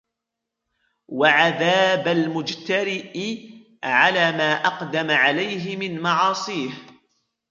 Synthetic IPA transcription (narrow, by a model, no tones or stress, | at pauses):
waʕaðaːbalmʊd͡ʒt̪aɾɪʔɪ | ʕalaːmaːʔɑqd̪amaʕalajɦɪmɪnmɑʕɑːsˤiːh